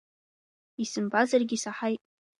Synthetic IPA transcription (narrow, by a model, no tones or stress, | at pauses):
isɨmbazarɡʲisaħajtʼ